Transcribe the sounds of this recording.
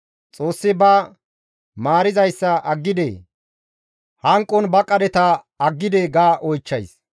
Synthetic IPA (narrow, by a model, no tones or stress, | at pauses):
t͡sʼoːsːɪbɐ | maːɾɪzɐjsːɐʔɐɡːɪd̪ḛː | hɐŋkʼːɔnbɐkʼːɐd̪ɛt̪ɐ | ɐɡːɪd̪eɡaːʔɔjt͡ʃːɐjs